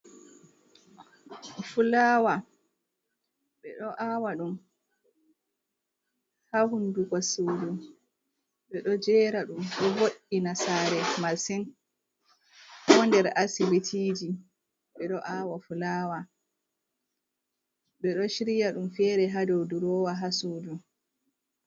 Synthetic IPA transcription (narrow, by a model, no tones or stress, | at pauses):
fulaːwa | ɓɛɗɔʔawaɗum | hahunduɡɔsudu | ɓɛɗɔd͡ʒɛːɾaɗumɗɔvoɗːinasaːɾɛmasin | hɔndɛɾasibitʰiːd͡ʒi | ɓɛɗɔʔaːwafulaːwa | ɓɛɗɔʃiɾijaɗumfɛɾɛɦadowduɾɔwaɦasuːdu